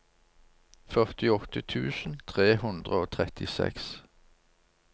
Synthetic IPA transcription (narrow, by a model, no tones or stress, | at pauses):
fœʁt̪ɪɔt̪ət̪ʰʉːsn̩t̪ʰʁeːhʉnd̪ʁəoːt̪ʰʁɛt̪ɪsɛ̰ks